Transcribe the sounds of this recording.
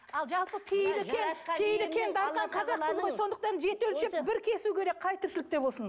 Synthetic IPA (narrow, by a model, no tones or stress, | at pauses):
ɑlˠʒɑlˠpəpʰejlɪkʲʰenpʰejlɪkʰʲe̞nd̪ɑɾqɑɴqʰɑzɑqzʰɪzʁo̞jso̞nd̪əq̚t̪ɑɾnʒe̞t̪ɪɵlʃepbɪɾkʲʰe̞sukʲʰe̞ɾe̞kqʰɑjt̪ʰʏɾʃɪlɪk̚t̪e̞bo̞lˠsən